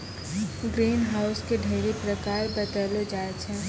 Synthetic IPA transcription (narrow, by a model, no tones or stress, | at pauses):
ɡɾiːnɦaːʊskeɖʱeːɾipɾəkaːɾbət̪əlod͡ʒaːet͡ʃʰɛ̃